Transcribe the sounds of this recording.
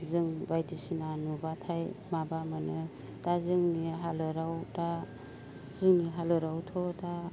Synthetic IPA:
zɯŋbajdisinanubatʰajmabamanɯ | tazɯŋniɦalɯɾawta | zɯŋniɦalɯɾawtʰɔta

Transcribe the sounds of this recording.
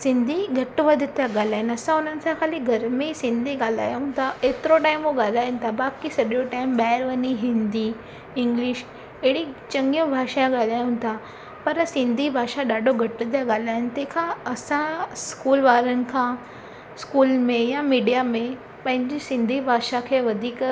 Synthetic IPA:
sɪ̃nd̪ʱiɡʱɐʈʋɐd̪ʱɪt̪ijaɡaːl̤aːɦɪnɐsãʊn̤ənɪ̆sãxaːliɡʱɐɾmẽsɪ̃nd̪ʱiɠaːl̤aːjũt̪ʰaʔeːt̪ɪɾoʈaːɪmoɠaːl̤aːɦʊnɪt̪ʰabaːkisɐɗjoʈaːɪmɓaːəɾʋɐniɦɪ̃nd̪i | ɪ̃ŋɡlɪʃ | eɽit͡ɕɐ̃ŋɡijõbʱaːʃaj̃ɠaːl̤aːjũnt̪ʰa | pɐɾsɪ̃nd̪ʱibʱaːʃaɗaːɖʱoɡʱɐʈt̪̬jaɠaːl̤aːɦɪnɪ̆t̪ɛ̃ɦkʰãɐsãskuːlʋaːɾənɪ̆kʰã | skuːlmẽjamiːɖijamẽ | pɐ̃ɦɪ̃ɲd͡ʑisɪ̃nd̪ʱibʱaːʃakʰeːʋɐd̪ʱiːk

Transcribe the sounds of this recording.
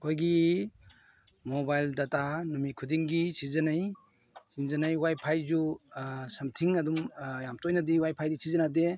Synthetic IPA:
kʰojɡi | moɔbajldatanɔmikʰudiŋɡisizɐnaj | sinzanajwajpʰajzu | sɐmtʰiŋadumjamtɔjnadiwajpʰajdisʰizɐnade

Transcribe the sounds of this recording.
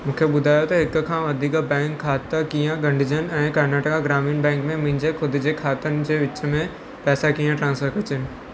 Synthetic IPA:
mũːkʰeɓʊd̪ʱaːjot̪ɐɦɪkkʰãʋɐd̪ʱikabɛ̃ːŋkʰːaːt̪əkijãɡɐ̃ɳɖʱɪd͡ʑənɛ̃ːkɐɾnaːʈəkaɡɾaːmĩːnbɛ̃ːŋkmẽmĩɲd͡ʑekʰʊd̪d͡ʑekʰaːt̪ənɪ̆d͡ʑeːʋɪt͡ɕmẽ | pɛːsakijãʈɾãːnsfʰəɾkɐt͡ɕənɪ̆

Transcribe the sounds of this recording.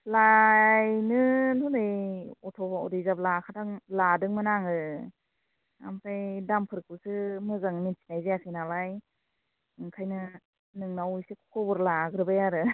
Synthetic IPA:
lajnɯnɔnɯjɔtʰɔbaɔ̰dijzab̚lakʰatʰaŋladɯŋmɯnaŋɯ | a̰mpʰajdampʰɯɾkʰusɯmɯzaŋninsʰi̥najzeasʰenalaj | ɯŋkʰajnɯ | nɯŋnawujsekʰkʰɔbɯɾlaɡɾɯbajaɾɯ

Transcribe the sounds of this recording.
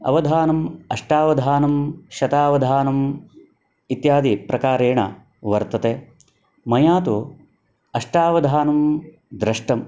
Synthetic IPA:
ɐ̰ʋɐd̪ʱaːnɐmɐʂʈaːʋɐd̪ʱaːnɐmʃɐt̪aːʋɐd̪ʱaːnɐm | it̪jaːd̪ipɾɐkaːɾeːɳɐ̰ | ʋɐɾt̪ɐt̪eː | mɐjaːt̪u | ɐʂʈaːʋɐd̪ʱaːnɐm | d̪ɾɐʂʈɐm

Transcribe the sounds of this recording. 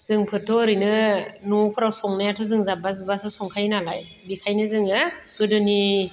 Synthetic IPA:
z̥ɯŋpʰɯtʰɔɾɯjnɯnupʰɯɾawsɔŋnajatʰɔzɯŋzabazbasɯsɔŋkʰajnalaj | bikʰajnɯzɯŋɯɡ̥ɯdɯni

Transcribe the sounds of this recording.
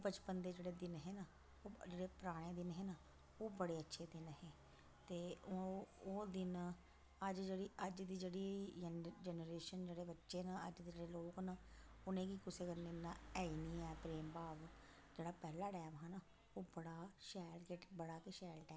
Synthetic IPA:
bət͡ʃpənd̪eːd͡ʒeːɽeːd̪ɪnɦeːnaː | oːd͡ʒeːɽeːpəɾaːɽ̃eːd̪ɪnɦeːna | oːbəɽeːətːʃʰeːd̪ɪnɦeː | t̪eːooːd̪ɪn | əd͡ʒd͡ʒeːɽiːəd͡ʒd̪iːd͡ʒeːɽiː | d͡ʒɛnəɾeːʃənd͡ʒeːɽeːbətːʃeːnaəd͡ʒd̪eːd͡ʒeːɽeːloːknaːʊnẽːkiːkʊseːkəneːnaːɛːiːniːɛːpɾeːmbaːʋ | d͡ʒeːɽaːpɛːlaːʈɛːmɦãːna | oːbəɽaːʃɛːlkeʈbəɽaːkeʃɛːlʈɛː

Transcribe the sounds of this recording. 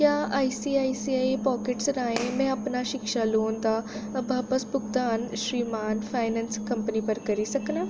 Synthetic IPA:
kjaaːjsiajsiaepɔkeʈsɾaːɦẽmɛ̃ɐpnaɕikʂaloːnt̪abʱapəsbuk̚d̪aːnɕɾimaːnfajnɛ̃nskɐmpənipəɾkɐɾisɐkna

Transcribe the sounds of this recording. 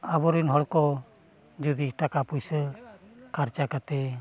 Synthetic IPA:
abɔɾunɦɔɽkɔ | d͡ʒud̪iːʈakapujsə | kaɾt͡ʃakat̪ɛ

